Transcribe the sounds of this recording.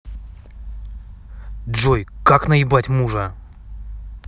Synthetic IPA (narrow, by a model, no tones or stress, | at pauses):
ʐojkaknɐɪbatʲmuʐə